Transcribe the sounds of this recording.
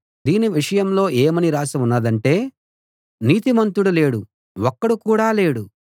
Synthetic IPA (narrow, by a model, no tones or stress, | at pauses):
d̪iːniʋiʂɐjɐmlo̞ːʔeːmɐniɾaːsɐmunːɐd̪ɐɳʈe̞ː | niːt̪imɐnt̪uɽule̞ːɽu | ɔkːɐɽukuːɽaːle̞ːɽu